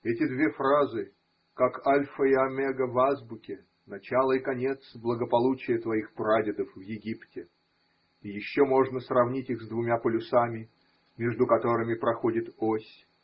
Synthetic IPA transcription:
ɛtʲɪd̪vʲe̞fɾazɨ | kakalʲfəɪɐmʲɛɡəvazbʊkʲɪ | nɐt͡ɕalˠəɪkɐnʲe̞t̪sblˠəɡəpɐlˠut͡ɕɪjət̪vɐixpɾadʲɪd̪əfvjɪɡʲiptʲɪ | ɪjɪɕːomo̞ʐnəsrɐvnʲitʲixzd̪vʊmʲapəlʲʊsamʲɪ | mʲeʐd̪ʊkɐt̪o̞ɾɨmʲɪpɾɐxo̞dʲɪt̪osʲ

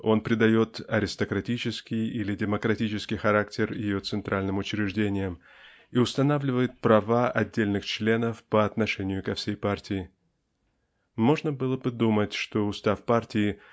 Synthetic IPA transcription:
o̞npɾʲɪd̪ɐjo̞t̪ɐɾʲɪst̪əkɾɐtʲit͡ɕɪskʲɪjilʲɪdʲɪməkɾɐtʲit͡ɕɪskʲɪjxɐɾaktʲɪrjɪjo̞t̪sɨnt̪ɾʔalʲnɨmʊt͡ɕɾʲɪʐdʲenʲɪjəm | iʊst̪ɐnavlʲɪvəjɪt̪̚pɾɐvaɐdʲːelʲnɨxt͡ɕlʲe̞nəfpəɐt̪nɐʂɛnʲɪjʊkɐfsʲejpartʲɪjɪ | mo̞ʐnəbɨlˠəbɨd̪umətʲʂt̪o̞ʊst̪afpartʲɪɪ

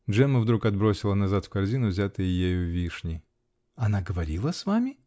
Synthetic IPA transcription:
dʐɛməvd̪ɾukɐd̪̚bɾosʲɪlˠənɐzat̪fkɐrzʲinʊvzʲat̪ɨjəjejʊvʲiʂnʲɪ | ɐnaɡəvɐɾʲilˠəsvamʲɪ

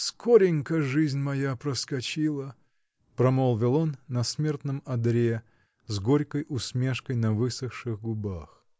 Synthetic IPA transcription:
skoɾʲɪŋʲkəʐɨzʲnʲmɐjapɾəskɐt͡ɕilˠə | pɾɐmolˠvʲɪlˠo̞nːɐsmʲe̞rt̪nəmɐd̪ɾʲe | zɡoɾʲkəjʊsmʲe̞ʂkəjnɐvɨsəxʂɨɣɡʊba̰x

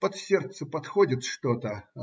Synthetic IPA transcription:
pɐt̪sʲert̪səpɐt̪xodʲɪt̪ʂt̪ot̪ə

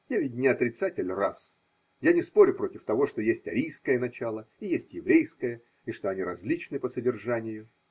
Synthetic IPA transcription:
javʲɪtʲnʲɪɐt̪ɾʲɪt̪satʲɪlʲras | janʲɪspo̞ɾʲʊpɾo̞tʲɪft̪ɐvo̞ʂt̪o̞jesʲtʲɐɾʲijskəjənɐt͡ɕalˠəijesʲtʲjɪvɾʲejskəjə | iʂt̪o̞ɐnʲiɾɐzʲlʲit͡ɕnɨpəsədʲɪrʐanʲɪjʊ

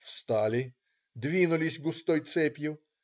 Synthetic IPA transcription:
fst̪alʲɪ | d̪vʲinʊlʲɪsʲɡʊst̪ɔjt̪sɛpʲjʊ

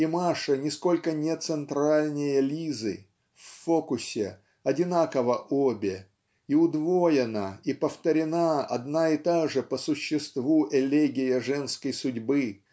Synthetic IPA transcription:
imaʂənʲɪsko̞lʲkənʲet̪sɨnt̪ɾalʲnʲɪjəlʲizɨ̰ | fʲfokʊsʲɪ̰ | ɐdʲɪnakəvəʔobʲɪ | iʊd̪vojɪnəipəft̪əɾʲɪnaɐ̰d̪naɪt̪aʐɨpəsʊɕːɪst̪vuʔɛlʲeɡʲɪjəʐɛnskəjsʊdʲbɨ

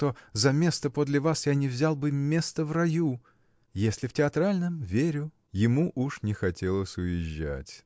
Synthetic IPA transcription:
t̪ozɐmʲe̞st̪əpod̪lʲɪvasjanʲɪvzʲalˠbɨmʲe̞st̪əvrɐju | jesʲlʲɪftʲɪɐt̪ɾalʲnəmvʲeɾʲʊ | jɪmuʔuʂnʲɪxɐtʲe̞lˠəsʲʊjɪʑːa̰tʲ

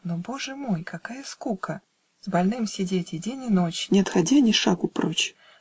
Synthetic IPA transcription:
noboʐɨmojkakajəskukə | zbalʲnɨmsʲɪdʲetʲɪdʲenʲɪnot͡ɕnʲɛɐt̪xad͡zʲinʲɪʂakʊpɾɔt͡ɕ

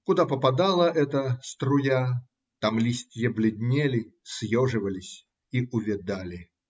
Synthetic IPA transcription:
kʊd̪apəpɐd̪alˠəʔɛt̪əst̪ɾʊja | t̪amlʲisʲt̪ʲjəblʲɪd̪ʲnʲelʲɪsʲjoʐɨvəlʲɪsʲ | iʔʊvʲɪd̪alʲɪ

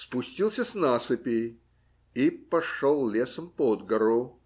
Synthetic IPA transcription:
spʊsʲtʲilˠsʲəsnasɨpʲɪ | ipɐʂolˠlʲesəmpod̪ɡɐɾʊ

